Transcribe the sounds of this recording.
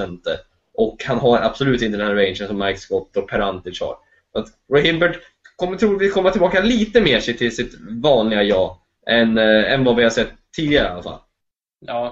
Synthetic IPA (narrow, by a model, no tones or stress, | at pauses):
ɛnt̪ə | ʔɔkhanɦaɾa̰b̥sɔlʉ̟ːt̪ɪnt̪ədɛnæɾɛɪnʂənsɔmːaɪkskɔt̪ːɔpʰɛɾant̪ɪshɑ̰ːɾ | sat̪ | ɾɔhɪmbɛɖ | kʰɔmːt̪ʰɾuːvɪlkʰɔmːat̪ɪlbɑːkaliːt̪əmeːʂɛjt̪ʰɪlsɪt̪vɑːnlɪɡajɑː | ʔɛnɛ̰nvavɪhasɛt̪ʰːiːd̪ɪɡaɾəalːa̰fa̰lː | ɑː